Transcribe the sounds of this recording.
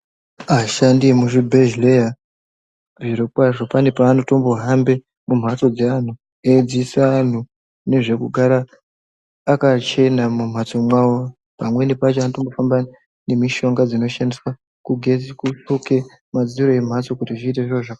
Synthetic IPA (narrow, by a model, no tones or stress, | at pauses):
aʃandimuʐibʱeʒlea | viɾokwaʐo̞pane̞paːnoto̞mbo̞ɦambe̞ | mum̤at͡so̞d͡zean̤u | ed͡zisaːn̤u | ne̞ʐe̞kuɡʱaɾaː | kat͡ʃe̞namum̤at͡so̞mwawo | pamwe̞nipat͡ʃeanotombofamba | ne̞miʃo̞ŋɡad͡zino̞ʃandiswa | kuɡʱekut͡suke̞ | mad͡ziɾo̞e̞m̤at͡so̞kutiʐiːteʐoʐa